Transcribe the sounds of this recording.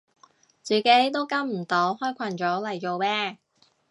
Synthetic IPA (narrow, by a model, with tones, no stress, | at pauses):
t͡syː˨˧ke˨˥jt̪o˥wkɐ˥mm̩˨˩t̪o˨˥whɔː˥jkʷʰɐ˨˩nt͡ʃɔː˨˥lɐ˨˩jt͡ʃo˨˧wmɛː˥